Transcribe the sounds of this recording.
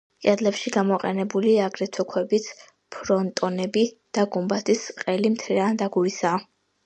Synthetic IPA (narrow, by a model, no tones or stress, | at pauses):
kʼad̪lɛpʃiɡamɔqʼɛnɛbuliaɡɾɛt̪ʰɔkʰwɛbit̪sʰ | pʰɾɔnt̪ʼɔnɛbi | d̪̥aɡumbat̪ʰisqʼɛlimt̪ʰɾɛand̪aɡuɾisaː